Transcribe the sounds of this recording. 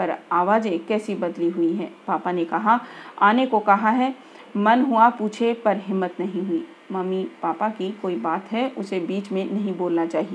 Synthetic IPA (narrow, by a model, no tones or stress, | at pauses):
pɐɾaːʋaːd͡ʒẽkɛːsibɐd̪liɦʊiɦɛːpaːpanekɐɦaaːnekokɐɦaɦɛ | mɐnɦuapuːt͡ʃʰepɐɾɦɪmːət̪nɐɦĩɦʊiː | mɐmipaːpakikoːibaːt̪ɦɛʊsebiːt͡ʃmẽnɐɦĩboːlnat͡ʃaːɦieː